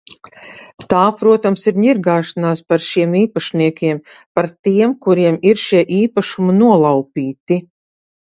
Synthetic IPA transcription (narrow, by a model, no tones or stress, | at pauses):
t̪aːpɾuɔt̪amsiɾɲiɾɡaːʃanaːspaɾʃiɛmiːpaʃniɛkʲiɛmpaɾt̪iɛmkuɾiɛmiɾʃiɛʔiːpaʃumanuɔlˠawpʲiːt̪i